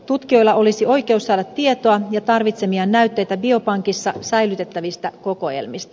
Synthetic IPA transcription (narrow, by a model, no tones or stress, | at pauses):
t̪ut̪kio̞jlːɑʔo̞lisio̞jk̟e̞usːɑːdɑt̪ːie̞t̪oɑjɑt̪ɑrʋit̪se̞miɑnːæyt̪ːe̞jt̪æbio̞pɑŋkisːɑsæjlyt̪e̞t̪ːæʋist̪æko̞ko̞jḛlmist̪ɑ